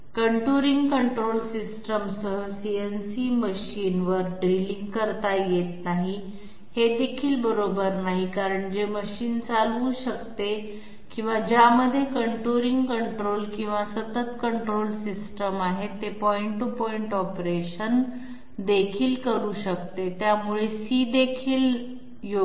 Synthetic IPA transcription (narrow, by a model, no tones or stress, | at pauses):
kəɳʈuɾiŋɡkəɳʈɾolsisʈəmsəɦəsiensiməɕiːnʋəɾɖɾiliŋɡkəɾt̪ajet̪naɦi | hed̪ekʰiːlbəɾobəɾnaɦikaɾəɳd͡ʑeməɕiːnt͡saluːɕəkt̪e | kĩw̃ʋad͡ʑaməd̪ʱːjekəɳʈuɾiŋɡkəɳʈɾolkĩw̃ʋasət̪ət̪kəɳʈɾolsisʈəmaɦet̪ːepɔiɳʈːupɔiɳʈɔpɾeɕən | d̪ekʰiːlkəɾuːɕəkt̪et̪jamuɭesid̪ekʰiːl | jo